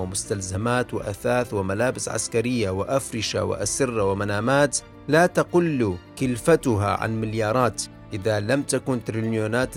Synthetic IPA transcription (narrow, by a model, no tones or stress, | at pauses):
ɪmʊst̪alzamaːt̪wɪ̰ʔaθaːθwɪmalaːbɪsʕa̰skaɾɪjːawɪʔafɾɪʃa̰wɪ̰ʔasɪrˤːawɪmanaːmaːt̪ | laːt̪aqʊlːkɪlfat̪ʊɦa̰ʕa̰nmɪljɑːɾˤɑːt̪ | ʔɪðalamt̪akuːnt̪ɾinjuːnaːt̪